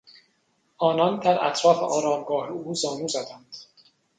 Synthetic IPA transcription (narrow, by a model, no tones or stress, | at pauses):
ʔɒːnɒnd̪æɾʔæ̰t̪ʰɾɒːfeʔɒːɾɒːmɡɒːheuːzɒːnuːzæd̪ænd̪̥